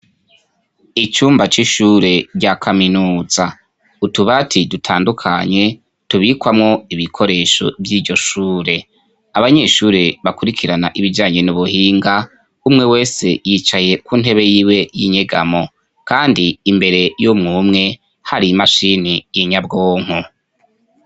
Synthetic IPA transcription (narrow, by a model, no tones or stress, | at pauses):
it͡ʃuːmbat͡ʃiʃuːɾe̞ɾɟakʰaminuːza | utuβatʰidutʰaːndukʰaɲe̞ | tuβikwamŋo̞iβikʰo̞ɾe̞ːʃo̞̰vjiːɾɟo̞ʃuːɾe̞ | aβaɲe̞ʃuːɾe̞βakuɾikʰiɾanaʔiβiɟaːɲe̞nuβuhiːŋɡa | umŋe̞we̞ːse̞jit͡ʃaje̞kuːnhe̞βe̞jiːwe̞jiɲe̞ɡamo̞ | kaːndiːmbe̞ɾe̞jomŋuːmŋe̞ | haɾimaʃinijiɲabɡoːŋ̥hu